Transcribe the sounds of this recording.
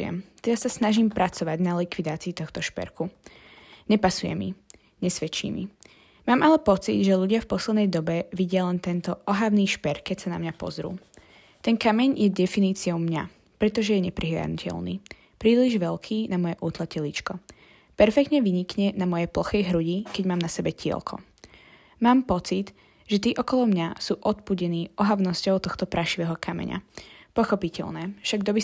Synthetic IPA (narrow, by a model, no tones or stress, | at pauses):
jɛ̰mt̪ɛd̪assasnaʒimpɾʔat͡sɔʋaɟnalikʋid̪aːt͡siːt̪ɔxt̪ɔʃpɛ̰ɾku | ɲɛpasujɛ̰mḭ | ɲɛsʋɛt͡ʃḭːmḭ | maːmalɛpɔt͡sḭd̪ʒɛʎuɟɪafpɔslɛd̪nɛjd̪ɔbɛʋiɟɪalɛnt̪ɛnt̪ɔʔɔɦaʋniːʃpɛɾkːɛcsana̰mɲapɔ̰zɾṵː | t̪ɛnkamɛɲjɛd̪ɛfiniːt͡siɔʊmɲa | pɾɛt̪ɔʒɛjɛɲɛpɾʔiɦlɪa̰d̪nucɛ̰lnḭː | pɾiːliʒʋɛlkʰiːnamɔjɛʔuːt̪lˠacɛlit͡ʃkɔ | pɛɾfɛkt̪ɲɛʋiɲikɲɛnamɔjɛplɔxɛjɦɾuɟikɛɟmaːmnasɛbɛciɛ̰lkʰɔ̰ | maːmpɔt͡sid̪ | ʒɛt̪iːʔɔkɔlɔmɲasuːʔɔt̪̚puɟɛniːʔɔɦaʊnɔscɔʊt̪ɔxt̪ɔpɾʔaʃiʋɛːɦɔkʰamɛ̰ɲa̰pɔxɔpicɛ̰lnɛːfʃaɡd̪ɔbi